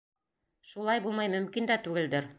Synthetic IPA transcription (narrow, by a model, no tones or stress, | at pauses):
ʃulˠɑjbulˠmɑjmɵ̆mkind̪æt̪ʉɡɘ̆ld̪ɘɾ